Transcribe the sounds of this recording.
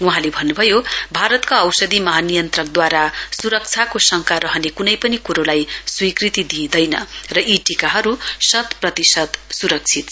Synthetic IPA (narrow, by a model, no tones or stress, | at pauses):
uɦãlebʱʌnːubʱʌjobʱaɾʌt̪kaʌwsʌd̪imʌɦanijʌnt̪rʌk̚d̪waɾasuɾʌk̚t͡sʰakosʌŋkʰaɾʌɦʌnekunʌjpʌnikuɾolajswikrit̪id̪ĩːd̪ʌjnʌ̰rʌʔiʈikaɦʌɾusʌt̪prʌt̪isʌd̪suɾʌk̚t͡sʰit̪